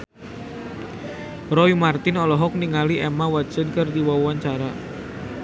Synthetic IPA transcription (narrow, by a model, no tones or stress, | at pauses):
rɔimart̪ɪnɔlɔɦɔk̚niŋaliʔɛmawḁd͡ʒənkɨrdiwauant͡ʃaɾa